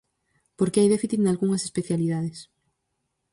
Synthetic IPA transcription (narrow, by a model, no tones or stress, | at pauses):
poɾkeajðefiθit̪nalɣuŋɐsespeθjaliðaðes